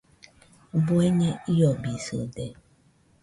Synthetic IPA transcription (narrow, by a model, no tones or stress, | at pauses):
bueɲɛijɔbiso̰de